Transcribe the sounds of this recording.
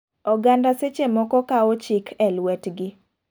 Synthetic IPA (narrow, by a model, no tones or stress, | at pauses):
ɔɡandaset͡ʃemɔkɔkaot͡ʃikʰɛlwɛtɡɪ